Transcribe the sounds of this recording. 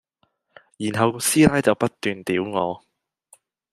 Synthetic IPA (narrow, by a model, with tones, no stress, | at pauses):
jiː˨˩nɦɐ˨wɔ˧siː˥laː˦˥jt͡sɐ˨wpɐ˥t̚t̪yː˨nt̪iː˨˥wŋɔ̰ː˨˧